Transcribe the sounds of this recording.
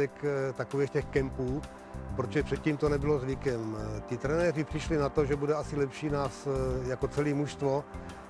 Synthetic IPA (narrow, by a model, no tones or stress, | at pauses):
ɛkt̪akoviːxcɛxkɛmpuː | pɾot͡ʃɛpr̝̥ɛt̪̚ciːmt̪onɛbɪlozvɪkɛmt̪ɪt̪ɾɛnɛːr̝ɪpr̝̥ɪʃlɪnat̪oʒɛbudɛasɪlɛpʃiːnaːsjakot͡sɛliːmuʃst̪vo̞